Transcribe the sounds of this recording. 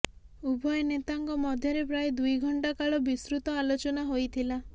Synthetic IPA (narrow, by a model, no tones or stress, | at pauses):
ubʱɔjnet̪aŋkɔmɔd̪ʱjɔɾepɾajd̪ujɡʱɔɳʈakaɭɔbisɾut̪ɔalot͡ʃɔnaɦojt̪ʰila